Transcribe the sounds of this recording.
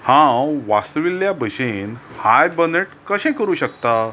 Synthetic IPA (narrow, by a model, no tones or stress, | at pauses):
hãʋasʋilːjabʱəɕenhajbəneʈkəɕɛ̃kəɾuːɕəkt̪a